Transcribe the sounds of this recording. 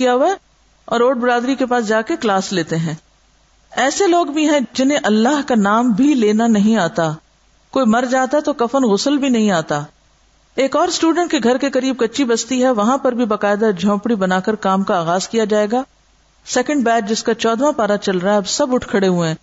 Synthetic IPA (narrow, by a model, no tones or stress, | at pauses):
ijaɦuae | ɔ̰ːɾoːʈ̚bɪɾaːd̪ɾikepaːsd͡ʒaːkeklaːsleːt̪eɦɛ̃ː | ɛːseloːɡbʱiɦɛ̃d͡ʒɪnẽʔɐlːaɦkanaːmbʱileːnanɐɦĩaːt̪a | koːimɐɾd͡ʒaːt̪aɛt̪okɐfənɣʊsəlbʱinɐɦĩaːt̪aː | eːkɔːɾsʈuːɖə̃ɳʈ̚keɡʱɐɾkekɐɾiːb̚kɐtːʃibɐst̪iɦɛʋɐɦãpɐɾbʱibaːkaːɪd̪ad͡ʒʱɔ̃ːpɽibɐnaːkəɾkaːmkaːɣaːzkijad͡ʒaːeːɡaː | sɛːkə̃ɳɖbɛːʈ̚d͡ʒɪskat͡ʃɔːd̪ʋãpaːɾat͡ʃɐlɾaɦɛɐbsɐbʊʈʰkʰəɽeɦuẽː